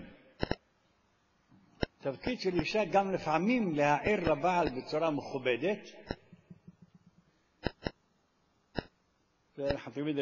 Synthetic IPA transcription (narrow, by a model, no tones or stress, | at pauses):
t̪avkid̪ʃeliʃaɡamlefʕamimlehaʕiɾlabaːlbet͡suɾameχubed̪et̪ | zeanaħnut̪almid̪